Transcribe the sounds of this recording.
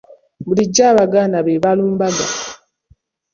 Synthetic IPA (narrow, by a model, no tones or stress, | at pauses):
muliɟːaβaɡanaβeβaluːmbaɡa̰